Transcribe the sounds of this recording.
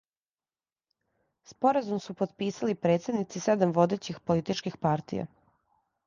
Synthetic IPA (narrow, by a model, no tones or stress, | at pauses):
spo̞ɾazumsupod̪piːsalipɾe̞ːt̪sed̪nit̪sised̪amʋo̞d̪et͡ɕixpo̞lit̪it͡ʃkixpaɾt̪ḭja̰